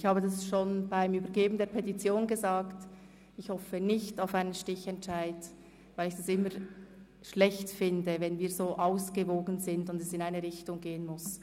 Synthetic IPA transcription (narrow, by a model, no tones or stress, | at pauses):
ɪçhaːbədasʃoːnbaɪmyːbɐɾɡeːbn̩deːɐpʰɛtit͡sjoːnɡəzaːkt | ɪçhɔfənɪçtaʊfaɪnənʃtɪçɛntʃaɪd | vaɪlɪçd̥asɪmə | ʃlɛçtfɪndəvɛnviːɐzoːʔaʊsɡ̥əvoːɡənzɪndʊndɛsɪnaɪnəʁɪçtʊŋɡeːənmʊs